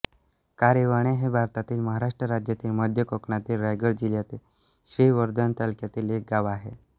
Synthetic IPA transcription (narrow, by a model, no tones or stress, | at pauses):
kaɾeʋaɽ̃eɦebʱaɾt̪at̪iːlməɦaɾaʂʈɾəɾad͡ʑjat̪iːlməd̪ʱjəkokɳat̪iːlɾajɡəɭd͡ʑiljat̪iːl | ɕɾiʋəɾd̪ənt̪alkjat̪iːlek̚ɡaʋaːɦe